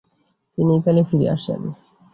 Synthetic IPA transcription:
t̪init̪alefiɾḭa̰ʃḛn

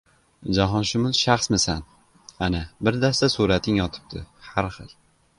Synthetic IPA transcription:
d͡ʒaɦɒnʃʊmʊzʃaχsmɪsan | anabɪɾd̪ast̪asuɾat̪ʰɪŋjɒt̪ʰɪ̥b̚t̪ʰɪ̰haɾχɨlˠ

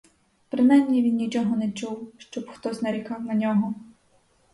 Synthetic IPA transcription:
pɾɪnajmnʲiʋʲinːʲit͡ʃɔɦɔnɛt͡ʃuwʃt͡ʃɔbxt̪ɔsʲnɐɾʲikɑwnɐnʲɔɦɔ

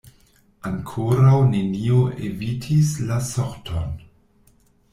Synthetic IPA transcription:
aŋkʰoɾawnenioʔḛvitʰislasoɾtʰo̰n

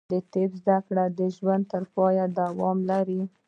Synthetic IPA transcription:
d̪ət̪ebzd̪akɽad̪əʒwand̪̚t̪əɾpɑjad̪awɑmlaɾi

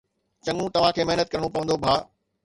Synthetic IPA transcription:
t͡ɕɐ̃ŋũt̪ɐʋ̤ãkʰeːmɐɦnət̪̚kɐɾəɽ̃ũpɐʋə̃nd̪obʱaː

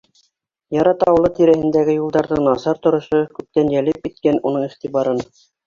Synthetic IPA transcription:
jɑɾɑt̪ɑwɤ̆lˠɤt̪iɾæhɘ̆nd̪æɡɘjulˠd̪ɑɾðɤnɑsɑɾt̪ŏɾŏʃokʉp̚t̪ænjælɘp̚kit̪̚kænunɤɴiχt̪iβɑɾɤn

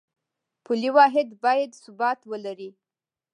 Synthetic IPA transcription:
puliwɑɦɪd̪bɑjad̪sʊbɑt̪wəlaɾi

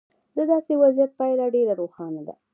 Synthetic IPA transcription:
d̪əd̪ɑsewazijat̪̚pɑjlaɖeɾaɾoxɑnad̪a̰

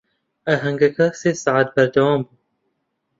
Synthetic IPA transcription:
ɐɦɐŋɡɐkɐseːsaʕat̪̚bɐɾd̪ɐwɑːmbu

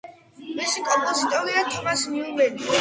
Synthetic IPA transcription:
misikʼɔmpʼɔzit̪ʼɔɾiat̪ʰɔmasmiumɛd̪i

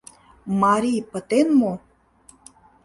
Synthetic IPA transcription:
mɑɾʲipə̆t̪enmo

